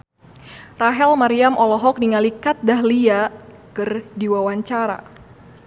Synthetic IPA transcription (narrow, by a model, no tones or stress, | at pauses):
raɦɛlmaɾiamʔɔlɔɦɔk̚niŋalikat̪̚daɦlia | kɨrdiwawaɲt͡ʃaɾa̰